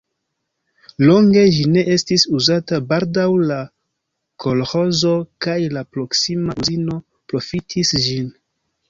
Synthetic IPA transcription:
lo̞ŋɡe̞d͡ʒine̞ʔe̞stisuzatabaldawla | kʰo̞lho̞zo̞kajlapɾo̞ksimauzino̞ | pɾo̞fitʰisʒin

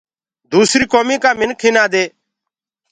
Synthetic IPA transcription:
d̪uːsɾiːkoːmiːkaːmɪnkʰĩːnaːd̪eː

